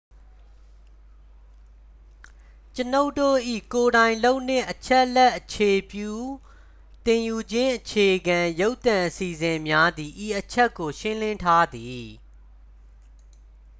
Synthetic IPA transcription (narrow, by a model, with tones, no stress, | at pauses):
t͡ɕəno˦ʊtːo̰˦˨ʔḭ˦˨ko˨ɾã˨ɪ̃nlo˦ʊʔn̥ɪ̰̃˦˨ʔət͡ɕʰɛ˦ʔlɛ˦ʔət͡ɕʰe˨pju˦˨ | t̪ɪ̃˨ju˨d͡ʑɪ̃˦ʔət͡ɕʰe˨ɡã˨jo˦ʊt̪ã˨ʔəsi˨zɪ̃˨mja˦d̪ði˨ʔi˨ʔət͡ɕʰɛ˦kːo˨ʃɪ̃˦lɪ̃˦ntʰa˦d̪ði˨